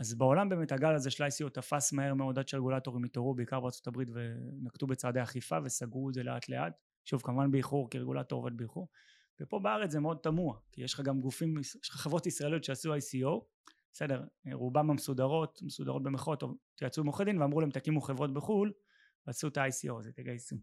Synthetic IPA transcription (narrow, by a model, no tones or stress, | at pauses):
azbeo̞lambeːmetaɡalaze̞ʃelajsiot̪afasmahe̞ʁmeo̞dadʃeʁeɡulato̞ʁimitoʁubeikaʁbeaʁt͡so̞̥tabʁitvenaktube̞t͡saːdeaχifave̞saɡʁuedze̞lea̰tle̞ʔa̰t | ʃuvkamuvanbeiχuʁkiʁeɡṵla̰to̞ʁvot̪beiχuʁ | vepo̞beaʁet͡szemeo̞d̚tamuakijeʃχaɡamɡufimjeʃχḁχevʁo̞tisʁaelijotʃeasuajsio̞ | bese̞de̞ʁʁubamamesudaʁo̞tmesud̪a̰ʁot̪̚be̞meχo̞t̪ot̪iat͡sumoχedimveamʁulaemtakimuχevʁo̞t̚beχul | veasut̪aajsiozetaɡajsi